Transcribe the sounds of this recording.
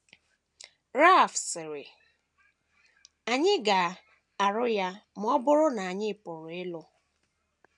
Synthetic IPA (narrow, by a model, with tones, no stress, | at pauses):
ɾa˦˨fsɪ˨ɾɪ̰˨ | a˨ɲɪ˦ɡa˨ | a˨ɾʊ˦ja˦m̩˦ɔ˦bʊ˦ɾʊ˦na˨a˨ɲɪ˦˨pʊ˨ɾʊ˨ɪ˦lʊ˦